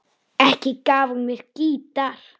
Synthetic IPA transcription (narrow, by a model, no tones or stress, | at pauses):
ɛhcɪkaːvmjɛɾ̥ciːt̪aɾ̥